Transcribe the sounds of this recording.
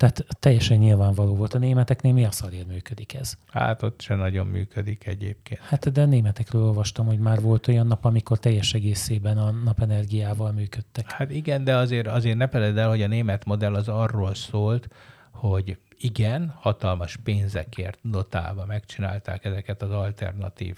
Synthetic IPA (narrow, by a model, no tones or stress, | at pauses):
t̪aːt̪ːɛjːɛʃɛɲːilvaːɱvɒloːvo̞lt̪ɒneːmɛt̪ɛkneːlmiɒsɒleːrmyːkød̪ikɛz̥ha̰ːt̪o̞t̪ʃɛnɒɟo̞mːy̰ːkʰød̪ikɛ̰ɟḛːp̚keːnhat̪d̪ɛneːmɛt̪ɛkrøːlo̞lvɒʃt̪ɒmho̞ɟmaːrvo̞lt̪o̞jɒnːɒpɒmiko̞rt̪ɛjːɛʃɛɡeːseːbɛnɒnɒpɛnɛrɡijaːvɒlmyːkøt̪ːɛkhat̪iɡɛnd̪ɛɒzeːɾɒzeːrnɛfɛlɛd̪ɛlho̞ɟɒneːmɛt̪mo̞d̪ɛlːɒzɒrːoːlsoːlt̪ | ho̞ɟ | iɡɛnhɒt̪ɒlmɒʃpeːnzɛ̰kḛːrt̪d̪o̞t̪a̰ːbɒmɛkt͡ʃina̰ːlt̪a̰ːkɛzɛkɛt̪ɒzɒlt̪ɛ̰rnɒ̰t̪ḭːv